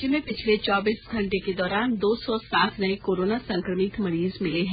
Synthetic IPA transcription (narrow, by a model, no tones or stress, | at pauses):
d͡ʒɪnmẽpɪt͡ʃʰlet͡ʃɔːbiːsɡʱɐ̃ɳʈeked̪ɔːɾaːnd̪oːsɔsaːt̪ʰnɐikoːɾoːnasɐ̃ŋkɾəmɪt̪mɐɾiːzmɪleɦɛ̃ː